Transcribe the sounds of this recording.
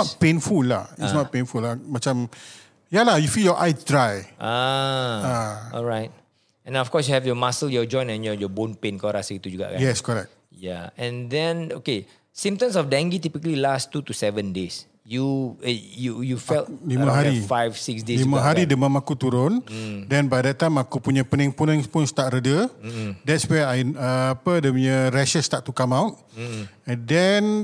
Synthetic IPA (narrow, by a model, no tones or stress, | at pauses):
nɔt̚pẽnfulːahisnɔt̚pẽnfulːamat͡ʃam | jalahjufiljɔʔajdɹajʔa | aɔ̰lɹaɪt̚ | ɛ̃ndɛ̃nɔfkɔs̬juhɛvjɔmasəljɔd͡ʒɔ̃jnɛ̃njɔjɔbõnpẽnkɔɾasəɡit̪ud͡ʒuɡa̰ʔkã̰jɛskɔɹɛ̰k̚t | ja̰ɛ̃ndɛ̃noke | sĩmtə̃msɔfdɛ̃ŋɡitipikəlilastutusɛvə̃ndes | ju | jujufɛlimãɦaɾifajfsiksdelimãɦaɾidəmamakut̪uɾʊndɛ̃nbajdɛt̚tːajmakupuɲãpənĩŋpunə̃ŋpunst̪at̪̚ɾədədɛtswɛajnəapədəmɲəɾɛʃəst̪att̪ːukamãwt̚ | ɛ̃ndɛn